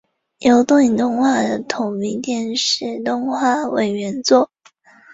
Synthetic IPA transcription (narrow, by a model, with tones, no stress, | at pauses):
jo˧˥ʊt̪ʊ˥˧ŋi˨˩t̪ʊ˥˧ŋxwa˥˩d̪ə˩t̪ʰʊ˨˩ŋmi˧˥ŋt̪jɛ˥˧nʂɻ̩˥˩t̪ʊ˥˧ŋxwa˥˩we˨˩ɪɥɛ˧˥nt͡swɔ˥˩